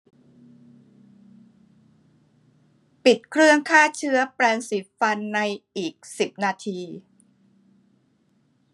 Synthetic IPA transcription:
pi˨˩t̪̚kʰɾɯ˥˩əŋkʰaː˥˩t͡ɕʰɯ˦˥ɐpɾɛː˧nsiː˨˩˦fa˧nːa˧jʔiː˨˩k̚si˨˩p̚naː˧t̪ʰiː˧

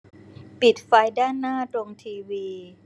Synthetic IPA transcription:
pi˨˩t̪̚fa˧jdaː˥˩nːaː˥˩t̪ɾo˧ŋt̪ʰiː˧wiː˧

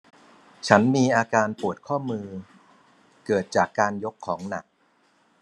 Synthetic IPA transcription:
t͡ɕʰa˦˥nmiː˧ʔaː˧kaː˧npu˨˩ət̪̚kʰɔː˥˩mɯː˧ | kɤː˨˩t̪̚t͡ɕaː˨˩kːaː˧njo˦˥kʰːɔː˩˦ŋna˨˩k̚

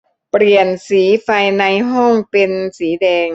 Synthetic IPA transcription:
pɾi˨˩ənsiː˩˦fa˧jna˧jɦɔ˥˩ŋpe˧nsiː˩˦dɛː˧ŋ

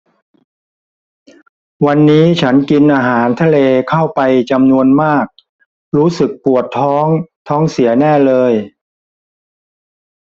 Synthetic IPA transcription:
wa˧nːiː˦˥t͡ɕʰa˦˥nki˧nʔaː˧ɦaː˩˦nt̪ʰa˧leː˧kʰa˥˩wpa˧jt͡ɕa˧mnu˧ənmaː˥˩k̚ | ɾuː˦˥sɯ˨˩k̚pu˨˩ət̪ʰːɔː˦˥ŋt̪ʰɔː˦˥ŋsi˩˦nɛː˥˩lɤː˧j

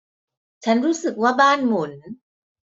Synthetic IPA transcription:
t͡ɕʰa˦˥nɾuː˦˥sɯ˨˩k̚waː˥˩baː˥˩nmu˨˩˦n

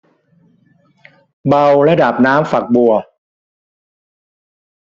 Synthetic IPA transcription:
ba˧wlɛ˦˥daː˨˩p̚naː˦˥mfa˨˩k̚bu˨˩ɐ

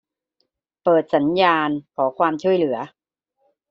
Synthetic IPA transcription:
pɤː˨˩t̪̚sa˩˦njaː˧nkʰɔː˩˦kʰwaː˧mt͡ɕʰu˥˩əjlɯ˩˦ɐ

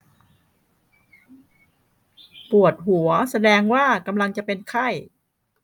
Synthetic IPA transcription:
pu˨˩ət̪̚ɦu˩˦ɐsa˧dɛː˧ŋwaː˥˩ka˧mla˧ŋt͡ɕa˨˩pe˧nkʰa˥˩j

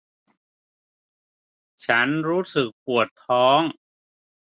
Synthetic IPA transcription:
t͡ɕʰa˦˥nɾuː˦˥sɯ˨˩k̚pu˨˩ət̪ʰːɔː˦˥ŋ

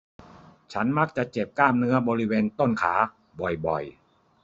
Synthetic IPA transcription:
t͡ɕʰa˦˥nma˦˥k̚t͡ɕa˨˩t͡ɕe˨˩p̚kaː˥˩mnɯ˦˥ɐbɔː˧ɾi˦˥weː˧nt̪o˥˩nkʰa̰ː˩˦ | bɔ˨˩jbɔ˨˩j

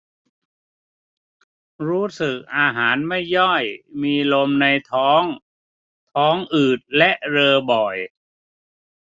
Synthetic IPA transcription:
ɾuː˦˥sɯ˨˩k̚ʔaː˧ɦaː˩˦nma˥˩jːɔ˥˩jmiː˧lo˧mna˧jt̪ʰɔː˦˥ŋ | t̪ʰɔː˦˥ŋʔɯː˨˩t̪̚lɛ˦˥ʔɾɤː˧bɔ˨˩j

